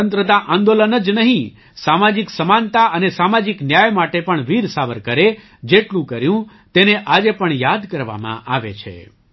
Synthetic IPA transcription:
ənt̪ɾət̪aʔãnd̪olənəd͡ʒnəɦĩ | samad͡ʒiksəmant̪aənesamad͡ʒiknjajmaʈepəɳʋiɾsaʋəɾkəɾe | d͡ʒeʈlũkəɾjũ | t̪eneʔad͡ʒepəɳjad̪kəɾʋa̰mã̰ʔaʋḛt͡ʃʰḛ

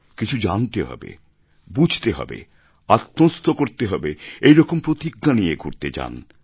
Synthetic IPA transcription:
kit͡ɕʰud͡ʑant̪eɦɔ̰bḛ | bud͡ʑʱt̪eɦɔ̰bḛ | at̪ːost̪ʰokoɾt̪eɦɔbeejɾɔkompɾot̪iɡːanieɡʱuɾt̪ed͡ʑa̰n

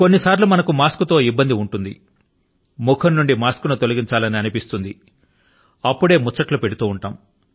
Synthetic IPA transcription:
ko̞nːisaːɾlumɐnɐkumaːskut̪o̞ːibːɐnd̪iuɳʈund̪ḭ | mukʰɐnːuɳɖimaːskunut̪olɐɡiɲt͡ʃaːlɐniɐnipist̪und̪i | ɐpːuɽe̞ːmut͡ʃːɐʈlupe̞ɽut̪uːuɳʈaːm

